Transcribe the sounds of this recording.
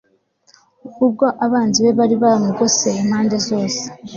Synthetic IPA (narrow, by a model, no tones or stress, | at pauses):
ukub̚ɡoʔaβaːnziβe̞βaɾiβamuɡo̞sein̥haːnde̞zo̞ːse̥